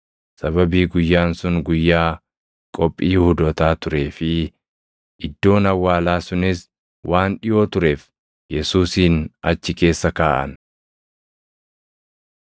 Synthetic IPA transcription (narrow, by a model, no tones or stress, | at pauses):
sɐβɐbiːɡʊjːaːnsʊŋɡʊjːaː | kʼɔpʼːiːhʊd̪ɔt̪aːt̪ʊɾe̞ːfɪ | ʔɪd̪ːo̞ːnɐwːaːlaːsʊnɪs | wʔaːnᶑɪjo̞ːt̪ʊɾe̞ːf | jɛsuːsiːnɐt͡ʃːɪke̞ːsːɐkaːʔɐ̰n